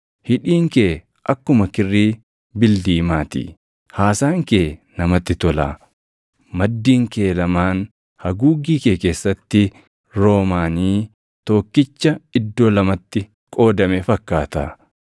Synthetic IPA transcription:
hɪᶑiːŋkeː | ʔɐkːʊmɐkɪrːiː | bɪld̪iːmaːt̪ḭː | haːsaːŋke̞ːnɐmɐt̪ːɪt̪ɔla̰ː | mɐd̪ːiːŋke̞ːlɐmaːn | hɐɡuːɡiːkeːke̞ːsːɐt̪ːɪ | ɾo̞ːmaːniː | t̪oːkːɪt͡ʃːɐɪd̪ːo̞ːlɐmɐt̪ːɪ | kʼo̞ːd̪ɐmefɐkːaːt̪a̰ː

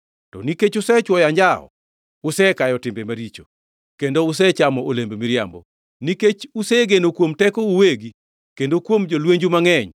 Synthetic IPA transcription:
tɔniket͡ʃʊsɛt͡ʃwɔjaɲd͡ʒaɔ̰ | ʊsɛkajɔtɪmbemaɾit͡ʃo̰ | kendoʊs̬ɛt͡ʃamɔʔolembemiɾja̰mbɔ̰ | niket͡ʃusɛɡenokwomtɛkɔuweɡi | kendokwomd͡ʒolweɲd͡ʒumaŋɛɲ

